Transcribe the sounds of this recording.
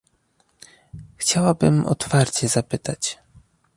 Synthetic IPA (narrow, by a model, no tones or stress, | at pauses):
xt͡ɕawabɘ̰mɔ̰t̪faɾt͡ɕɛzapɘt̪at͡ɕ